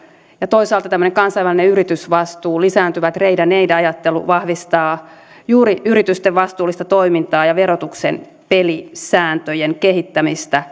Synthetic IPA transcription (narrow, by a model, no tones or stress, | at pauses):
jɑt̪oisɑːlt̪ɑt̪æmːønekɑnsɑjʋælːineyɾit̪ysʋɑst̪uːlisæːnt̪yʋæt̪reidæneidæɑjɑt̪ːelṵʋɑhʋist̪ɑː | juːɾiyɾit̪yst̪eʋʋɑst̪uːlːˑist̪ɑt̪oimint̪ɑːjɑʋeɾot̪uksḛn | pelisæːnt̪øjeŋkehit̪ːæmist̪æ